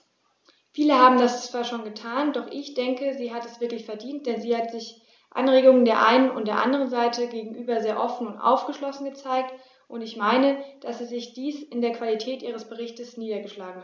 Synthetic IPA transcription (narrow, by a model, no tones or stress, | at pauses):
fiːləhaːbm̩dast͡sv̥aːɐʃoːnɡətʰaːndɔχʔɪçd̥ɛŋkəziːɦatɛsv̥ɪɐklɪçfɛɐdiːnt̚d̥ɛnziːhatz̥ɪç | ʔa̰nʁeːɡʊŋəndeːɐʔa̰ɪnənʊ̰ntd̥eːɐʔa̰ndəʁ̞ənzaɪtəɡeːɡŋ̩ʔyːbɐzeːɐʔɔfn̩ʊntʔa̰ʊfɡ̥əʃlɔsn̩ɡət͡saɪk̚t | ʔʊntɪçmaɪnəd̥asz̥iːzɪçd̥iːsɪndeːɐkv̥alitʰɛːtʔiːʁ̞əsb̥əʁ̞ɪçtəsniːdɐɡəʃlaːɡŋ̩hat